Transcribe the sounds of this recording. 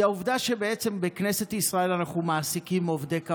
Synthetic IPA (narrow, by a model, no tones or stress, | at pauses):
auvd̪aʃe̞beet͡sembekne̞se̞t̪isʁae̞lanaχumaːsikimo̞vd̪eka